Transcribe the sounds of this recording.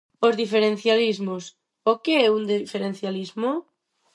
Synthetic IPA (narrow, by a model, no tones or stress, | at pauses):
ozðifeɾẽn̟θjalizmos | okeɛund̪ifeɾẽnθjalizmo